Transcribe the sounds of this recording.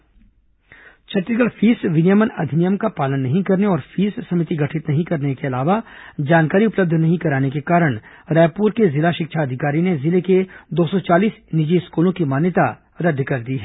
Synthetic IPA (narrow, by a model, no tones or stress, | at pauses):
t͡ʃʰɐʈɾikəlfʰiːsʋɪnjəmənɐd̪ʱɪnijəmkapaːlənːɐɦĩkɐɾneɔːɾfʰiːssɐmɪt̪iɡɐʈʰɪt̪nɐɦĩkɐɾnekeɐlaːʋad͡ʒaːnkaːɾiʊpləb̚d̪ʱnɐɦĩkɐɾaːnekekaːɾəɽ̃ɾɛːpuːɾkezɪlaʃɪkʃʰaɐd̪ʱɪkaːɾinezɪleked̪oːsɔt͡ʃaːliːsnɪd͡ʒiskuːlõkimaːnjət̪a | ɾɐd̪ːkɐɾd̪iːɦɛː